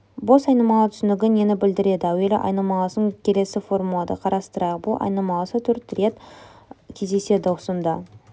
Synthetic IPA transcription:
bo̞sɑjnɑmɑlˠət̪ʰʏ̥sɪnɪɡʲɪne̞nɪbɪld̪ɪɾe̞d̪ɪæwelɪ̰ʔɑ̰jnɑmɑlˠɑsəŋkʲʰe̞le̞sɪfo̞ɾmulˠɑd̪ə̰qʰɑɾɑst̪əɾɑqbʊlˠʔɑ̰jnɑmɑlˠɑsət̪ʰɵɾt̪re̞t̪ | kʲʰe̞zd̪e̞se̞d̪ɪʊsənd̪ɑ

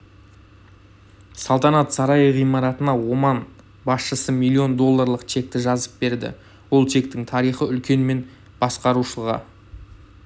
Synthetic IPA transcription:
sɑlˠt̪ɑnɑt̪sɑɾɑjəʁijmɑɾɑt̪ənɑwo̞mɑn | bɑsʃəsəmijlʲːio̞nd̪o̞lˠːaɾlˠəqt͡ʃʰe̞k̚t̪ɪʒɑzəp̚be̞ɾd̪ɪ̰ | wo̞lˠt͡ʃʰe̞k̚t̪ɪŋt̪ʰɑɾijχəʏlkʲe̞nme̞n | b̥ɑsqɑɾuʃəlˠʁɑ̰

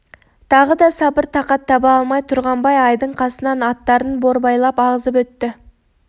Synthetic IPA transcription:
t̪ʰɑʁəd̪ɑsɑbəɾt̪ʰɑqɑt̪ʰːɑbɑɑlˠmɑjt̪ʰʊɾʁɑmbɑjɑjd̪əɴqʰɑsənɑnɑt̪ːɑɾənbo̞ɾbɑjlˠɑpɑʁəzəp̬wɵt̪ːɪ

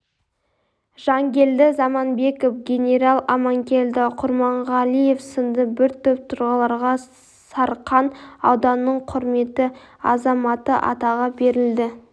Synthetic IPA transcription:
ʒ̥ɑŋɡʲe̞ld̪ɪzɑmɑnbe̞kofɡʲe̞nʲe̞ɾɑlˠɑmɑŋkʲe̞ld̪ɪqʰʊɾmɑɴʁɑlije̞fsənd̪əbɪɾt̪ʰɵp̚t̪ʰʊɾʁɑlˠɑɾʁɑ | sɑɾqːɑnɑ̰wd̪ɑnːəɴqʰʊɾme̞t̪ɪ | ɑ̰zɑmɑt̪əʔɑ̰t̪ɑʁɑbe̞ɾɪld̪ɪ

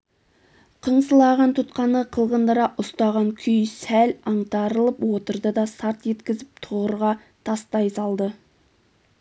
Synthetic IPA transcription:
qʰəɴsəlˠɑʁɑnt̪ʰʊt̪qɑnəqʰəlˠʁənd̪əɾɑʔʊst̪ɑʁɑŋkʲʰʏjsælɑɴt̪ɑɾəlˠəpwot̪əɾd̪əd̪ɑsɑɾt̪je̞t̪kʲɪzɪp̚t̪ʰʊʁəɾʁɑ | t̪ʰɑst̪ɑjsɑlˠd̪ə

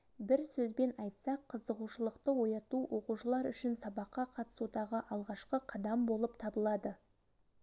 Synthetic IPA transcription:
bɪɾsɵzbe̞nɑjt̪sɑqʰːəzəʁuʃəlˠəqt̪əwo̞jɑt̪uwʔo̞quʃəlˠɑɾʏʃɪnsɑbɑqːɑqʰɑt̪ə̥sud̪ɑʁəʔɑlˠʁɑʃqəqʰɑd̪ɑmbo̞lˠəpt̪ʰɑbəlˠɑd̪ə

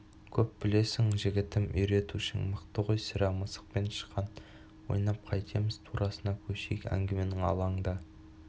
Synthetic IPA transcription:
kʲʰɵp̚bɪle̞sɪŋʒɪɡʲɪt̪ɪmʏjɾe̞t̪uʃɪ̰ŋməqt̪əʁojsɪɾɑməsə̥q̚pe̞nʃə̥qʰːɑn | wo̰jnɑp̚qʰɑjt̪ʰemɪz̥t̪ʰuɾʔɑsənɑkʲʰɵʃḛjkæ̰ŋɡʲeme̞nɪŋɑ̰lˠɑɴd̪ɑ

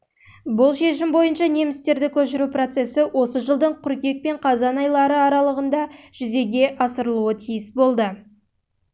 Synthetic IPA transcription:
bʊlˠʃe̞ʃɪmbo̞jənʃɑne̞mɪst̪e̞ɾd̪ɪkʲʰɵʃɪɾupro̞t̪se̞sɪwʔo̞səʒəlˠd̪əɴqʰʊɾkʲe̞k̚pe̞ɴqʰɑzɑnɑjlˠɑɾəɑɾɑlˠəʁənd̪ɑʒ̥ʏze̞ɡʲe̞ʔɑsəɾəlˠuət̪ʰijɪsbo̞lˠd̪ə

